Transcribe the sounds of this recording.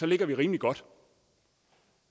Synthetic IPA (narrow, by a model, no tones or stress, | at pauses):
sɒ̽le̝ɡ̥ɐʋiʁiːmliɡ̥ɒ̽d̥